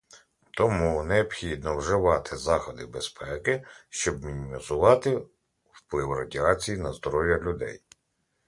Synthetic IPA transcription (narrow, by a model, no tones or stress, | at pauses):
t̪ɔmuneɔbxʲid̪nɔwʒɪʋɑt̪ʰɪzɑxɔd̪ɪbespɛkɪʃt͡ʃɔbmʲinʲimʲizʊʋɑt̪ɪ | wplˠɪwrɐdʲiɑt͡sʲijinɐzd̪ɔɾɔwjɐlʲʊd̪ɛ̰j